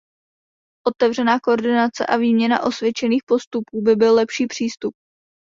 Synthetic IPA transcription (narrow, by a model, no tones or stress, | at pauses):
ʔo̞t̪ɛvr̝ɛnaːkoɾdɪnat͡sɛ̰ʔaviːmɲɛna̰ʔo̞svjɛt͡ʃɛniːxpo̞st̪upuːbɪbɪllɛpʃiːpr̝̥iːst̪up̚